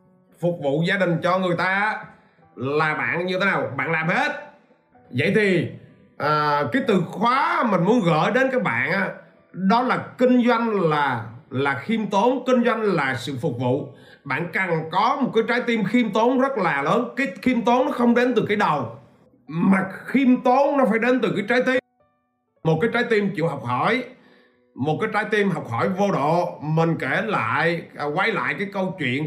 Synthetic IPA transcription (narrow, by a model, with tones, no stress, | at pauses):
fʊ˨˩k͡p̚vṵ˧˨zaː˧ɗï˨˩ŋ̟t͡ɕɔ˧ŋɨ˨˩əjt̪aː˧ʔ | laː˨˩ɓa̰ː˧˨nɲɨ˧t̪ʰe˨˦naː˨˩wɓa̰ː˧˨nlaː˨˩mhe˦˥t̚ | və̰˧˨jt̪ʰi˨˩ | ʔəː˨˩kaː˨˦jt̪ɨ˨˩xwaː˨˦mï˨˩ŋ̟mu˨˦ənɣə̰ː˧˨jɗe˨˦nkaː˨˥jɓa̰ː˧˨nʔaː˨˦ | ɗɔ˨˦laː˨˩kï˧ŋ̟zwa˧jŋ̟laː˨˩laː˨˩xi˧mt̪o˨˦nkï˧ŋ̟zwa˧jŋ̟laː˨˩sɨ̰˧˨fʊ˨˩k͡p̚vṵ˧˨ | ɓa̰ː˧˨nka˨˩ŋkɔ˨˦m˨˩t̚kaː˨˦jt͡ɕaː˨˦jt̪i˧mxi˧mt̪o˨˦nzə˦˥t̚laː˨˩ləː˨˦nkaː˨˦jxi˧mt̪o˨˦nɔ˨˦xə˧wŋ͡mɗe˨˦nt̪ɨ˨˩kaː˨˦jɗə˨˩w | maː˨˩xi˧mt̪o˨˦nnɔ˨˦faː˧˩jɗe˨˦nt̪ɨ˨˩kaː˨˦jt͡ɕaː˨˦jt̪i˧m | mo˨˩kaː˨˦jt͡ɕaː˨˦jt̪i˧mt͡ɕḭ˧˨wɦa˨˩wk͡p̚hɔ˧˩j | mo˨˩t̚kaː˨˦jt͡ɕaː˨˦jt̪i˧mɦa˨˩wk͡p̚hɔ˧˩jvo˧ɗo̰˧˨mï˨˩ŋ̟ke˧˩˧la̰ː˧˨jkwa˨˦jla̰ː˧˨jkaː˨˦jkə˧wt͡ɕwḭ˧˨ən